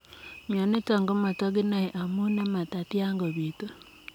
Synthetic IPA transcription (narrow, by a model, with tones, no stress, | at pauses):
ɲa˨ne˦ta˨ŋɡo˦ma˨tɔ˦ɡi˦na˨e˨ʔa˨mu˦na˦ma˨ta˨tja˦ŋɡo˨βi˨to˦